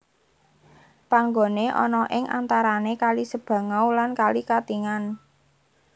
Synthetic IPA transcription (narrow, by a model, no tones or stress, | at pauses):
paŋɡoneʔɔ̰nɔʔɪŋʔa̰nt̪aɾanekalisəb̥ä̤ŋawlankalikat̪iŋan